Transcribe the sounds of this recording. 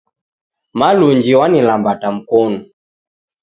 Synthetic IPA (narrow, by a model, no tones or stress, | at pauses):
maluɲd͡ʒiwanilambatam̩kɔnu